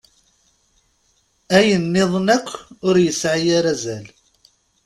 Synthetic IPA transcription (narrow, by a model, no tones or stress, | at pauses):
æjənːɪðˤnækʷːʊɾjəsʕajaɾæzæl